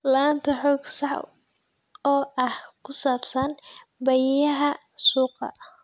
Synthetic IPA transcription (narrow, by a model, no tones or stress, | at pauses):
laːnt̪ʰɐħɔːɡsɑħ | ɔːʔɐhkʰʊsaːbsɐn | bɐjɐɦɐ | suːqɑ̰